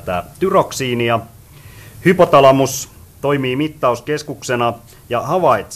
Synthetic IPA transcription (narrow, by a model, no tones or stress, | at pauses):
t̪æ̰ːt̪yroksiːniɑ | hypot̪ɑlɑmus | t̪oimiːmit̪ːɑuskeskuksenɑ | jɑhɑʋɑit̪s